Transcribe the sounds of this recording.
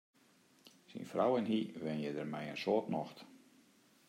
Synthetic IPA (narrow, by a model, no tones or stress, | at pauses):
sḭnfrawɛnɦiʋɪnjɛdərmɛjə̰nsoːtnɔxt